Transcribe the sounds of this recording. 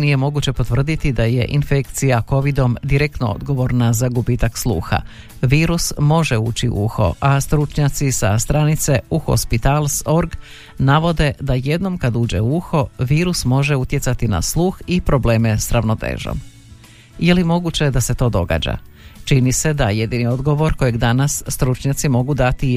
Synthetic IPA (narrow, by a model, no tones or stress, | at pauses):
nije̞mo̞ɡut͡ɕe̞po̞t̪ʋr̩d̪it̪id̪aje̞̰ʔinfekt̪sijako̞ʋid̪o̞md̪iɾek̚t̪noo̰d̪ɡo̞ʋo̞ɾnazaɡubiːt̪akslˠṵːxa̰ | ʋiːɾusmo̞ʒeṵːt͡ɕiʔṵxo̞̰ʔast̪ɾut͡ʃɲat̪sisast̪ɾanit̪se̞uxo̰spit̪alˠso̞ɾɡ | naʋo̞d̪e̞d̪aje̞d̪no̞mkad̪uːd͡ʑe̞̰uuxo̞ʋiːɾusmo̞ʒe̞ut̪je̞tsat̪ina̰slˠuːxipɾo̞ble̞ːme̞sɾaʋno̞t̪ḛːʒo̰m | ijelimo̞ɡut͡ɕe̞d̪ase̞t̪o̞ːd̪o̞ɡa̰ːd͡ʑa̰t͡ʃinise̞d̪aje̞d̪iːnio̞d̪ɡo̞ʋo̞ɾko̞jeɡd̪anasːt̪ɾut͡ʃɲat̪simo̞ɡud̪at̪i